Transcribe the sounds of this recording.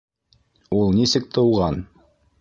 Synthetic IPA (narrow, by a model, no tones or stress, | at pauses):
ulˠnisɘk̚t̪ɤ̆wʁɑn